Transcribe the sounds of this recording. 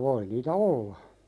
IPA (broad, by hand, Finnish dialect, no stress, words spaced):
ʋoi niːtæ olːɑ